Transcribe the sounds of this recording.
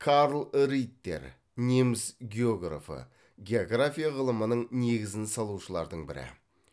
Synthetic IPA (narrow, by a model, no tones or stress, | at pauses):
kʰaɾlˠɾijt̪ːe̞̰ɾ | nʲemɪsɡʲeo̞ɡra̰fə̰ | ɡʲe̞oɡrafʲijaʁəlˠəmənəɴne̞ɡʲɪzɪnsɑlˠuʃəlˠɑɾd̪əɴbɪɾɪ̰